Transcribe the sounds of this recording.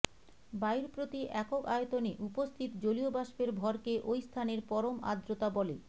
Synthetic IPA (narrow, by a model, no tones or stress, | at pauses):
bajɾpɾot̪iʔɛkokaet̪oneʔupost̪ʰit̪d͡ʑoliobaʃbeɾbʱɔɾkeʔojst̪ʰaneɾpɔɾoma̰d̪ɾot̪abɔle